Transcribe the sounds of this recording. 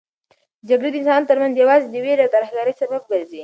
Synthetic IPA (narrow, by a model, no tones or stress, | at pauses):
d͡ʒaɡɽed̪əɪnsɑnt̪əɾmanzjawɑzed̪əweɾawt̪aɾahɡɑɾəjsaməb̚ɡaɾzi